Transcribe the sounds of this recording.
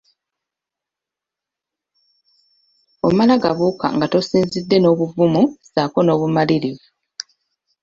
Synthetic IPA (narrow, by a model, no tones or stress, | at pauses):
omalaɡaβuːka̰ŋɡato̞siːnzidːe̞no̞ːβuvumusaːko̞no̞ːβumaliɾi